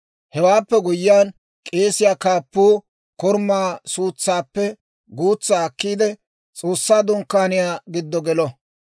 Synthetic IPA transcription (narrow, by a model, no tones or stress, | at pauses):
hɛwaːpːɛɡʊjːɪjaːn | kʼe̞ːsɪjaːkaːpːuː | kɔɾmːaːsuːt͡sːaːpːɛ | ɡuːt͡sːaːkːiːd̪ɛ | t͡sʼo̞ːsːaːd̪ʊŋkːaːnɪjaːɡɪd̪ːɔɡɛlɔ